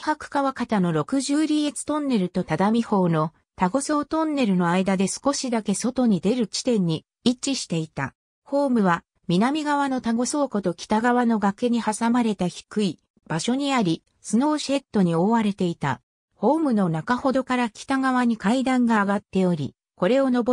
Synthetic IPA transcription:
ihakɯ̟̥kaβakat̪ano̞ɾo̞kɯ̟ʑɨːɾʲiet͡sɨ̥t̪õ̞nːe̞ɾɯ̟t̪o̞t̪ad̪amʲiho̞ːno̞ | t̪aɡo̞so̞ːt̪õ̞nːe̞ɾɯ̟no̞aid̪ad̪e̞sɨ̥ko̞ɕid̪ake̞so̞t̪o̞ɲ̟id̪e̞ɾɯ̟t͡ɕi̥t̪ẽ̞ɲ̟ːi | it͡ɕiɕi̥t̪e̞it̪a̰ | ho̞ːmɯ̟βa | mʲinamʲiɡaβano̞t̪aɡo̞so̞ːko̞t̪o̞kʲi̥t̪aɡaβano̞ɡakeɲ̟ihasamaɾe̞t̪açi̥kɯ̟i | b̥aɕo̞ɲ̟iaɾʲi | sɨno̞ːɕe̞t̪ːo̞ɲ̟io̞ːβaɾe̞t̪e̞it̪a̰ | ho̞ːmɯ̟no̞nakaho̞d̪o̞kaɾakʲi̥t̪aɡaβ̞aɲ̟ikaid̪ãŋɡaːɡat̪ːe̞o̞ɾʲḭ | ko̞ɾe̞o̞no̞b

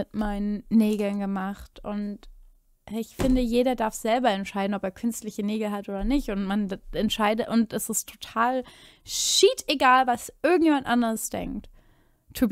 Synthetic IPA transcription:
ɪtmaɪnənnːeːɡl̩nɡəmaχtʊnt | ɪçfɪndəjeːɾɐdaɐfz̥ɛlbɐɛntʃaɪdn̩ɔpeːɐkʰʏnstlɪçəneːɡl̩ɦatʔoːdɐnɪçtʊntmanɛntʃaɪdətʔʊntɛsɪstʰːo̥tʰaːl | ʃiːteɡaːlvasʔɪɐɡŋ̩tjeːmantʔandəʁəsd̥ɛ̰ŋk̚t | tʰːub

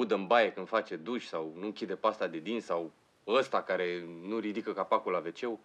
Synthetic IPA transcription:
ud̪əɨmbajekɨnd̪̥fat͡ʃe̞d̪uʃʲsawnuɨŋkʲid̪e̞past̪ad̪e̞d̪insaw | əst̪akaɾe̞nuɾid̪ikəkapakulave̞t͡ʃe̞w

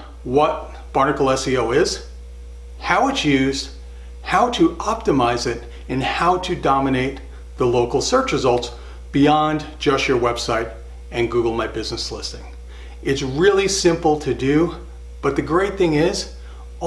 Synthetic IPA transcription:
wʌt̚ | b̥ɑɹnɨkl̩ˠɛsioʊɪz̥ | haʊɨtsjʉzd̥ | haʊɾɨʔɑp̚tɨmaɪzɪɾ | ɨ̃nhaʊɾɨdɑmɨneɪt̪̚ | ðəloʊkl̩ˠsɜ˞t͡ʃɹɨzʌlˠts | b̥iɑ̃n | d͡ʒʌʃjə˞wɛb̥saɪɾ | ɨ̃nɡuɡl̩ˠmaɪbɪznɨslɪstɪ̃ŋ | ɨtsɹɪlˠisɪ̃mpl̩ˠtʰɨdɨ | b̥ʌt̪̚ðɨɡɹeɪt̪̚θɪ̃ŋɪz

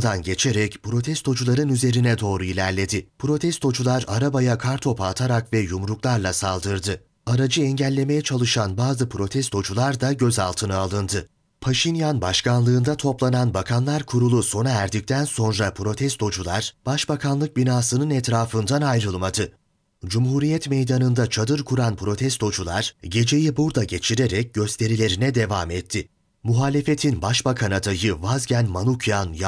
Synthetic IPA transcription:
d̪anɟe̞t͡ʃʰeɾɛcpʰɾo̞t̪ʰɛst̪ʰo̞d͡ʒulˠaɾɯnyze̞ɾinɛd̪o̞ːɾuilʲæɾlʲe̞d̪ɪpʰɾo̞t̪ʰɛst̪o̞d͡ʒulˠaɾaɾabajakʰaɾt̪ʰo̞pʰaːt̪ʰaɾakvɛjumɾuklˠaɾlˠasalˠd̪ɯɾd̪ɯ | aɾad͡ʒɯɛɲɟælʲːe̞me̞jɛt͡ʃʰalˠɯʃanbaːzɯpʰɾo̞t̪ʰɛst̪ʰo̞d͡ʒulˠaɾd̪aɟø̞za̰lˠt̪ʰɯnɯalˠɯnd̪ɯ | pʰaʃinjanbaʃkʰanlˠɯːnd̪at̪ʰo̞plˠananbakʰanlˠaɾkʰuɾulˠuso̞naæɾd̪ic̚t̪ʰænso̞nɾapʰɾo̞t̪ʰɛst̪o̞d͡ʒulˠaɾ̥b̥aʃbakʰanlˠɯk̚binaːsɯnɯnɛt̪ɾaːfɯnd̪anajɾɯlˠmad̪ɯ | d͡ʒumɦuɾijɛt̪mejd̪anɯnd̪at͡ʃʰad̪ɯɾkʰuɾanpʰɾo̞t̪ʰɛst̪o̞d͡ʒulˠaɾ̥ɟe̞d͡ʒe̞jibuɾd̪aɟe̞t͡ʃʰiɾeɾɛc̚ɟøst̪ʰe̞ɾilʲe̞ɾinɛd̪evamɛt̪ʰːɪ | muɦaːlʲe̞fe̞t̪ʰinbaʃbakʰanad̪ajɯvazɟænmanucʰjanj

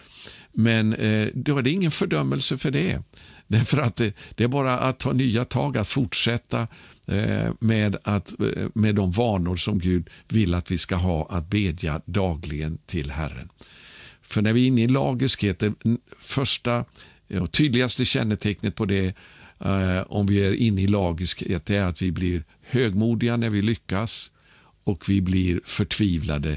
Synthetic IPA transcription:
mɛnd̪ɔæɖɛɪŋːənfœɖœmːəlsəfœɖɛd̪̥æɾfəɾat̪̚d̪̥ɛæɾbɑːɾaʔat̪ʰːɑːnyːat̪ʰɑːɡat̪fʊʈʂɛt̪ʰːa | mɛd̪at̪mɛd̪ːɔmvɑːɳʊɾʂɔmɡʉ̟ːd̪vɪlːat̪vɪskaɦɑːʔat̪̚beːd̪ja̰d̪ɑːɡlɪɡənt̪ʰɪlɦæ̰rːə̰n | fœɳæɾvɪɪnːəɪlɑːɡɪskheːt̪̚əfœʂʈa | ɔt̪ʰyːd̪lɪɡast̪əɕɛnːət̪ʰɛknət̪̚pʰɔd̪ɛ | ɔmvɪæɾʔɪnːəɪlɑːɡɪskheːt̪̚d̪ɛæɾat̪vɪblɪɾ | høːɡmuːd̪ɪɡanæɾvɪlʏkːas | ɔkvɪblɪɾfœʈʰviːvla̰d̪ə

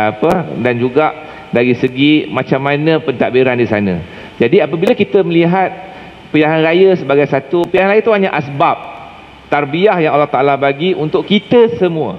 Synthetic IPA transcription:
apədand͡ʒuɡaʔ | daɾisəɡimãt͡ʃamːãnə̃pənt̪a̰ʔbiɾandisanə̰̃ | d͡ʒadiapəbiləkit̪əməliɦat̪̚ | pəjaŋanrajəsəbaɡajsat̪upəjaŋanlaint̪uɦaɲaʔasbap̚ | t̪arbiahjaŋalaht̪aʔlahbaɡiʔunt̪ʊʔkit̪əsəmũə̰

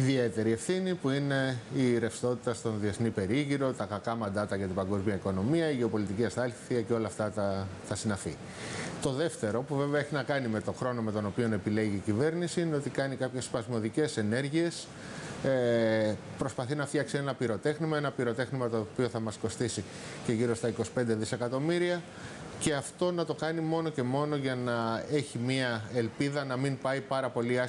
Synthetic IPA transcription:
iðie̞t̪e̞ɾie̞fθinipuine̞iɾe̞fst̪o̞t̪i̥t̪ɐst̪o̞nðie̞θnipe̞ɾiʝiɾo̞t̪ɐkɐkɐmɐnd̪ɐt̪ɐʝɐt̪ibɐŋɡo̞zmiɐiko̞no̞miɐiʝeopo̞lit̪iciɐst̪ɐlθiɐco̞lɐft̪ɐt̪ɐt̪ɐsinɐfi | t̪o̞ðe̞ft̪e̞ɾopuveveɐeçinɐkɐnime̞t̪o̞xɾo̞no̞me̞t̪o̞no̞pio̞ne̞pile̞ʝiːcive̞ɾnisiine̞ot̪ikɐnikɐpçe̞spɐzmo̞ðice̞se̞ne̞ɾʝie̞s | e | pɾo̞spɐθinɐft̪çɐksie̞nɐpiɾo̞t̪e̞xnimɐe̞nɐpiɾo̞t̪e̞xnimɐt̪opio̞θɐmɐsko̞st̪isi | ce̞ʝiɾo̞st̪ɐiko̞si̥pe̞nd̪e̞ðise̞kɐt̪o̞miɾiɐ | ce̞ɐft̪o̞nɐt̪o̞kɐnimo̞no̞ce̞mo̞no̞ʝɐnɐe̞çimiɐelpiðɐnɐmimpɐipɐɾɐpo̞liɐ

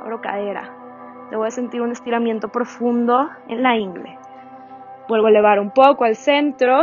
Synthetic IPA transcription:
βɾo̞ka̰ðe̞ɾa̰ | d̪eβðese̞nt̪iɾune̞st̪iɾamje̞nt̪o̞pɾo̞fũnd̪o̞ | ḛnlaiŋɡlḛ | bwe̞lβoaele̞β̞aɾumpo̞koalse̞nt̪ɾo̞

